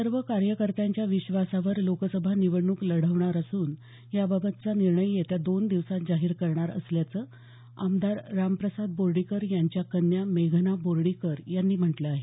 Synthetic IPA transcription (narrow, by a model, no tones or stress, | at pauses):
səɾʋəkaɾjəkəɾt̪aɲt͡ɕjaʋiɕʋasaʋəɾlokəsəbʱaniʋəɳuːkləɽ̤əʋɳaɾasuːn | jababət̪t͡saniɾɳəjːet̪jad̪ond̪iʋsat̪̚d͡zaɦiːɾkəɾɳaɾə̰sljat͡səː | a̰md̪aɾːampɾəsad̪̚boɾɽikəɾjaɲt͡ɕjakənːjameɡʱnaboɾɽikəɾjanːiːm̤əʈləaɦe